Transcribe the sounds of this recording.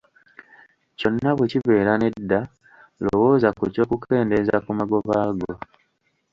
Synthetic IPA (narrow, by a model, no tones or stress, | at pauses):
co̞nːaβweciβe̞ːɾane̞dːa | lowo̞ːzakuco̞ːkukʰe̞ːnde̞zakumaɡo̞βaːɡo̞